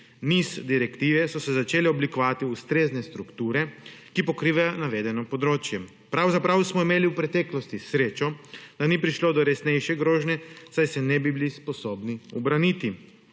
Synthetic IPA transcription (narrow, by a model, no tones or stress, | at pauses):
nizd̪iɾɛkt̪iːʋɛsɔsɛzat͡ʃeːlɛɔblikɔʋaːt̪iust̪ɾeːznɛst̪ɾukt̪uːɾɛkipɔkɾiːʋajɔnaʋeːd̪ɛnɔpɔd̪ɾoːt͡ʃjɛ | pɾawzapɾawsmɔimeːliuwpɾɛt̪ɛklɔst̪isɾeːt͡ʃɔd̪̥aniːpɾiʃloːd̪ɔɾɛsnɛjʃɛɡɾoːʒnʲɛsajsɛnɛbibilispɔsoːbniɔbɾanit̪i